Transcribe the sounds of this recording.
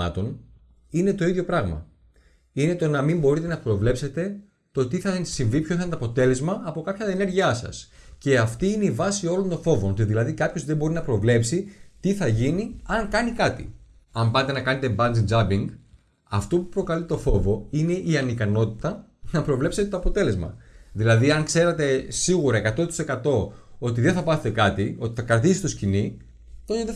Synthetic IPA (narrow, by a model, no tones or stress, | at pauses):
ɐ̰t̪o̞n | ine̞t̪o̞iðʝjo̞pɾɐɣmɐ̰ | ine̞t̪o̞nɐmimbo̞ɾit̪e̞nɐpɾo̞vle̞pse̞t̪e̞ | t̪o̞t̪iθɐsiɱvipçoθɐnt̪oɐpo̞t̪e̞le̞zmɐːpo̞kɐpçɐɐene̞ɾʝiɐsɐ̰s | ce̞ɐft̪iine̞ivɐsio̞lo̞nt̪o̞nfo̞vo̞not̪iðilɐðikɐpço̞zðembo̞ɾinɐpɾo̞vle̞psit̪iθɐʝiniɐŋkɐnikɐt̪ḭ | ɐmbɐt̪e̞nɐkɐnet̪e̞bɐnd͡zind͡zɐbiŋɡ | ɐft̪o̞pupɾo̞kɐlit̪o̞fo̞vo̞ine̞ʔiɐnikɐno̞t̪it̪ɐnɐpɾo̞vle̞pset̪et̪o̞ɐpo̞t̪e̞le̞zmɐ̰ðilɐðiɐŋkse̞ɾet̪e̞siɣuɾɐe̞kɐt̪o̞t̪i̥se̞kɐt̪o̞o̞t̪̬iðe̞θɐpɐθet̪e̞kɐt̪io̞t̪i̥θɐkɾɐt̪isist̪o̞scini | t̪oeðe